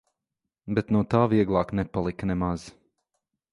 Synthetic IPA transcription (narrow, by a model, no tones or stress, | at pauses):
bɛt̪nuɔt̪aːviɛɡlˠɑːknɛpalˠiknɛmaz̥